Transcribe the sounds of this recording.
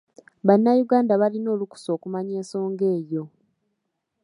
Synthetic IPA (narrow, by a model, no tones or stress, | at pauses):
βanːajuɡaːndaβalino̞ːluku̥so̞ːkumaɲe̞ːnso̞ːŋɡe̞ːjo̞